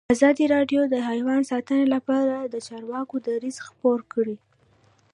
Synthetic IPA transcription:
azɑd̪iɾɑɖjod̪əɦɑjwɑnsɑt̪ənelapɑɾad̪ət͡ʃɑɾwɑkod̪aɾizxpoɾkɽi

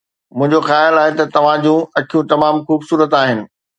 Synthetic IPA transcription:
mʊ̃ɦɪ̃ɲd͡ʑoxaːjɪlaːɦet̪ɐt̪ɐʋ̤ãd͡ʑũɐkʰijũt̪ɐmaːmxuːbsuːɾət̪aːɦɪnɪ̆

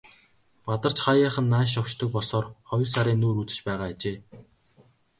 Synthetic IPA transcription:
pat̪ə̆r̥t͡ɕχajaːχə̆nːaːʃ̬ɔwʃt̪ʰɞ̆k̚pɔɮsɔːrχɔj̆ɮsaɾʲiːnːuːɾut͡sɘ̆t͡ɕpæːʁaːt͡ɕeː

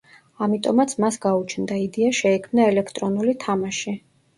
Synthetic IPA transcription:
amit̪ʼɔmat̪sʰmasɡaut͡ʃʰnd̪aid̪iaʃɛɛkʰmnaɛlɛkʰt̪ʼɾɔnulit̪ʰamaʃi

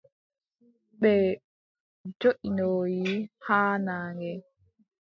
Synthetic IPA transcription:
ɓɛ | d͡ʒoʔinoːjihaːnaːŋɛ

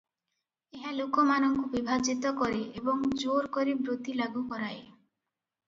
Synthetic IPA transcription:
eɦalokɔmanɔŋkubibʱad͡ʒit̪ɔkɔɾeʔebɔŋd͡ʒoɾkɔɾebɾot̪ilaɡukɔɾae

